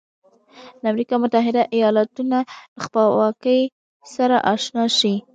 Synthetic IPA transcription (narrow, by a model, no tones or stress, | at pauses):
d̪əamɾikɑmʊt̪aɦɪd̪aʔijɑlat̪unaləxpəlwɑkəj | saɾaʔɑʃnɑʃi